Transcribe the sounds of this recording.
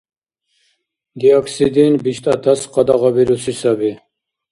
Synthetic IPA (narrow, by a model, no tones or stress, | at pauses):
d̪iɔkʰsid̪inbiʃt̪ʰʼat̪ʰasqɑd̪aʁɑbiɾusisabi